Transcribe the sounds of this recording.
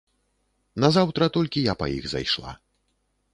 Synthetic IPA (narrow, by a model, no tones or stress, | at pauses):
nɐzawt̪ɾɐt̪ɔlʲkʲijapɐ̰ḭɣza̰jʂlˠa̰